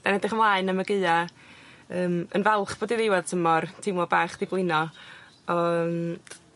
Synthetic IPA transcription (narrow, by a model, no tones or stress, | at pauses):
d̥anɛdɪχəmlˠaːɨnəməɡɨɨa | əːmənvɛlˠχb̥oːdiðɪwaðtʰəmɔrtʰɪmˠɔbaːχd̥ɪblˠɪnɔ | ɔəm